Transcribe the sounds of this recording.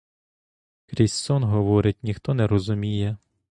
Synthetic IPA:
kɾʲisɔnɦɔʋɔɾɪtʲnʲixt̪ɔnɛɾɔzʊmʲijɛ

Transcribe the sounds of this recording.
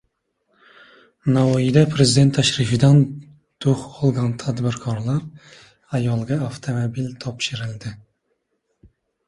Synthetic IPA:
nɑwɑjid̪ɛpʰɾezid̪ent̪ʰːæʃɾifɪd̪ɑn | d̪̥oχɔlˠɡɑnt̪ʰɑd̪bɪɾkʰɑɾlˠɑɾ | ɑjɑlˠɡɑaft̪ʰomobilt̪ʰɒpʃɪɾɪld̪ɪ

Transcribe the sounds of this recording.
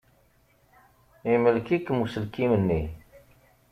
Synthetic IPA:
eməlkikmusəlkimənːe

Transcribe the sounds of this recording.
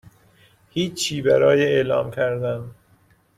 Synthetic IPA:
hiːt͡ʃʰːiːbæɾɒːjeelɒ̰ːmkʰæɾd̪æn

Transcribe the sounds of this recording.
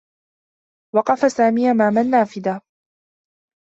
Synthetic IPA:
wɑqɑfasaːmiːʔamaːmanːaːfɪd̪a

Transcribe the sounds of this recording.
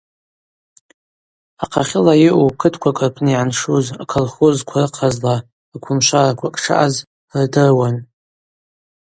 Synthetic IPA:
aqʰaχʲɪlajɪʔukʰɨtʰkʷʰakʼrpʰniʕanʂuzakʰolχozkʷʰarɨqʰazla | akʷʰʊmʃʷarakʷʰakʼʂʰa̰ʔaz | rdɨrwan

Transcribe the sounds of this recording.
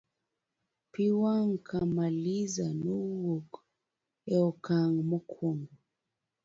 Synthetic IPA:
piwaŋ̩kʰamalizanowok | ɛɔkaŋmɔkʰwoŋ

